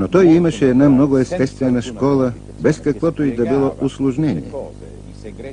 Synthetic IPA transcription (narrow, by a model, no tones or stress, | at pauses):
not̪ɔjimɐʃɛːd̪namnɔɡʊɛst̪ɛst̪vɛnɐʃkɔlˠə | bɛskɐkvɔt̪oid̪ɐbilˠɔʔʊslˠʊʒnɛnḭɛ